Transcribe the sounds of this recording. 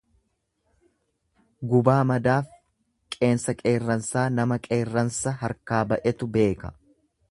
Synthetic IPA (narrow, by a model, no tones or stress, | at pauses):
ɡʊbaːmɐd̪aːf | kʼe̞ːnsɐkʼe̞ːrːɐnsaːnɐmɐkʼe̞ːrːɐnsɐɦɐɾkaːbɐʔɛt̪ʊbe̞ːkɐ̥̰